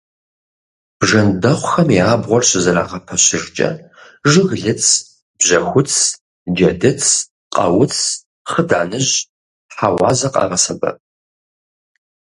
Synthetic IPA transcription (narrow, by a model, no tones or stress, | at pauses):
b̥ʐɐndɐχʷʊxɐmiaːbʁʷɔrɕɪzɐɾa̰ːʁɐpʰɐɕɪrt͡ʃʼɐ̰ | ʒɨɣɮɨt͡sʰ | b̥ʑɐxʷʊt͡sʰ | d͡ʒɐdɨt͡sʰ | qʼɐ̰wʊt͡sʰ | χədaːnɨʑ | ħawɑ̰ːzɐqʼɑ̰ːʁɐsɐbɐ̰pʼ